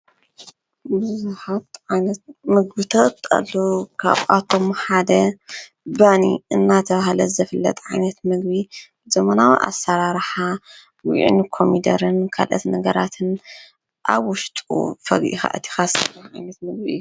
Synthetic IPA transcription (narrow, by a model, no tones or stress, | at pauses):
bɨzzuħat̪ʕajnɐt̪̚mɨɡ̚bɨt̪ʰot̪ɐ̰lːokʰa̰βʔat̪ʰːo̞mħad̪ɐ | banḭɨnːat̪ʰɐβahlɐzɐfɨlːɐ̰t̪ʼʕajnɐt̪mɨɡ̚bibzɐmɐnawiʔa̰sːɐɾaɾħa | wḭʕḭnkʰomid̪ɐ̰ɾɨnkʰa̰lʔɐ̰t̪nɐɡɐɾat̪ʰɨn | ʔaβːʊʃt̪ʼṵfɐɡʔḭxa̰ʔɐt̪ʰi̥xast̪ʰɐlɐʕa̰jnɐt̪mɨɡ̚bḭu